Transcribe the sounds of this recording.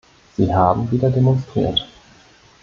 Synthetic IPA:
z̥iːɦaːbm̩viːdɐdemɔnstʁ̥ḭːɐt

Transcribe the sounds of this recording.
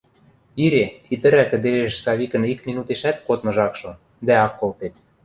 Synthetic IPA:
iɾeit̪ə̆ɾækə̆d̪eɾeʃsɑβikə̆nikminut̪eʃæt̪kot̪mɤ̆ʒɑkʃŏ | d̪æɑkːolt̪et̪

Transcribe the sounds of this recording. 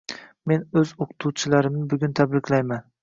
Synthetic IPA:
me̞nɵzoqʰɨ̥t̪ʰuwt͡ʃʰɪlaɾɪmnɪbʊɡʲʊnt̪ʰabɾɪkʲʰlajman

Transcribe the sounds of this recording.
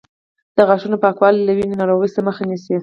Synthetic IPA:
d̪̥əɣaʃunopɑkwɑllawinenɑɾoɣəjsaməxanisi

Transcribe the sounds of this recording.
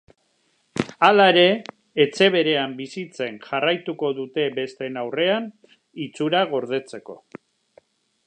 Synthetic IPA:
alaeɾe̞ː | t͡se̞βe̞ɾe̞ambisit͡se̞nʝarajt̪uko̞ðut̪e̞be̞st̪e̞nawre̞an | it͡suɾaɣ̞o̞ɾð̞e̞t͡se̞ko̞̰

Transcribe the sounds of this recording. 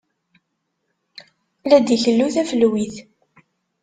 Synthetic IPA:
læd̪içəlːuθæfəlwiθ

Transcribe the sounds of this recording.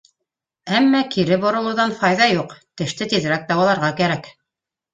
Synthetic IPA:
æmːækiɾɘbŏɾɤ̆lˠɤ̆wðɑnfɑjðɑjuqt̪ɘ̆ʃt̪ɘt̪iðɾæk̚d̪ɑwɑlˠɑɾʁɑkæɾæk

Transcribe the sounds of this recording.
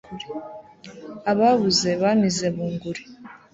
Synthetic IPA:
aβaβuze̞βamize̞βuːŋɡuɾi

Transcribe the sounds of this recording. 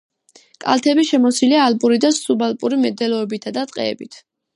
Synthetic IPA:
kʼa̰lˠt̪ʰɛbiʃɛmɔsiliaːlpʼuɾid̪asubalpʼuɾimɛd̪ɛlɔɛbit̪ʰad̪at̪ʼqʼɛ̰ːbit̪ʰ

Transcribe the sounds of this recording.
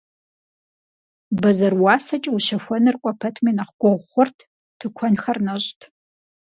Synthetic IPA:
bɐzɐrwɑːsɐt͡ʃʼwʃɐxʷɔnɨrkʷʼɔpʰɐtʰmiːnɐχɡ̥ʷɔʁʷχʷʊrtʰ | tʰɨkʷʰɔnxɐrnɐɕʼtʰ

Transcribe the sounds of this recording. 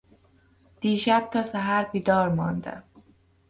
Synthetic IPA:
d̪̥iːʃæb̥̚t̪ʰɒːsæɦæɾbiːd̪ɒːɾmɒːnd̪æ̰

